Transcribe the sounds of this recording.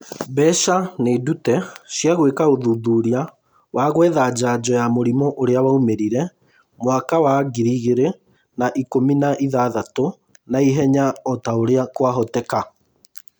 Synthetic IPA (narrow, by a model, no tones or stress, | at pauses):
bɛʃanedutɛʃjaɣwekaoðuːðuɾia | waɣwɛðad͡ʒaːd͡ʑɔjamoɾimɔʔoɾeawaumeɾiɾɛ | mwakawaɣiɾiɣeɾe | naʔikominaʔiðaːðato | naiɦɛɲaɔtaoɾeakwaɦɔtɛka